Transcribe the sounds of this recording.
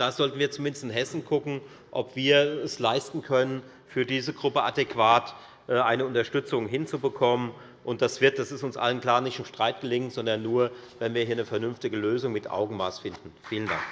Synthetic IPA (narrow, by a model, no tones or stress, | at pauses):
d̥aːz̥ɔltn̩viːɐt͡sumɪndəstɪnɦɛsn̩ɡʰʊkŋ̩ | ʔɔpv̥iːɐɛslaɪstn̩kʰœnən | fyːɐdiːzəɡʁʊpəadɛkv̥aːt | ʔːʔaɪnəʊntɐʃtʏt͡sʊŋɦɪnt͡subəkʰɔmən | ʔʊnt̚d̥asv̥ɪɐt̚d̥asɪstʊnsʔa̰lənkl̥aːnɪçtɪmʃtʁ̥aɪt̚ɡ̥əlɪŋnz̥ɔndɐnːuːɐ | vɛnviːɐhiːɐnəfɛɐnʏnftɪɡəløːzʊŋmɪtʔa̰ʊɡŋ̩maːsfɪndn̩fiːlənda̰ŋk